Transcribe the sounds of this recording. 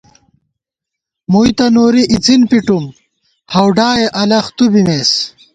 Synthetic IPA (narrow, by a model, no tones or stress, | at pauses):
mujt̪ɐnoːɾiʔit͡sinpiʈum | hɐwɖaːeʔɐlɐxt̪ubimeːs